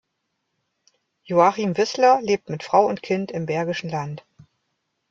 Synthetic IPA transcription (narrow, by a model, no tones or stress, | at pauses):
joaχimvɪslɐleːp̚tmɪtfʁ̥aʊʊntkʰɪntɪmbɛɐɡɪʃn̩lant